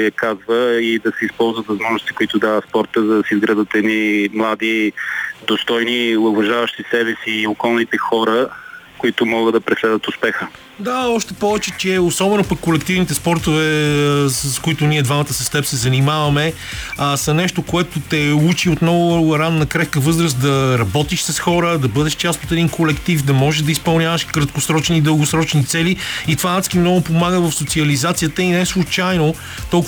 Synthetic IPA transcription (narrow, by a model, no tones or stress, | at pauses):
kazvəid̪ɐsɛispɔlˠzvət̪vɐzmɔʒnʊst̪i̥koit̪ʊd̪avɐspɔɾt̪əzɐd̪ɐsizɡɾad̪ət̪ɛd̪nimlˠad̪id̪ost̪ɔjniʊvɐʒavəʃt̪isɛbɛsiːokɔlˠnit̪ɛxɔɾəkoit̪ʊmɔɡəd̪ɐpɾɛslɛd̪ət̪ʊspɛxə | d̪aɔʃt̪ɛpɔvɛt͡ʃɛt͡ʃɛosɔbɛnopɐkːolɛkt̪ivnit̪ɛspɔɾt̪ovɛsəskʊit̪ʊniɛd̪vamɐt̪əsɐst̪ɛpsɛzɐnimavɐmɛ | asɐnɛʃt̪okoɛt̪ot̪ɛut͡ʃiot̪nɔvʊɾanːɐkɾɛt̪kəvɤzɾəsd̪ɐɾɐbɔt̪iʃsɐsxɔɾəd̪ɐbɤd̪ɛʃt͡ʃast̪ot̪ɛd̪inkolɛkt̪ifd̪ɐmɔʒɛʒd̪ɐispɐlˠnʲavɐʃkɾɐt̪̚kʊsɾɔt͡ʃnid̪əlˠɡʊsɾɔt͡ʃnit̪sɛliit̪vanat̪skʲimnɔɡʊpomaɡəvɐfsot̪siɐlizat̪sijət̪əinɛɛslˠut͡ʃajno | t̪ɔlˠ